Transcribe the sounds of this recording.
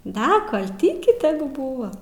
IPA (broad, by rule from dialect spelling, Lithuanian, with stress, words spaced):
ˈdɐ kɐlˠ ˈtʲiːkʲɪ ˈtʲæːˈɡʊ ˈbuːʋɐ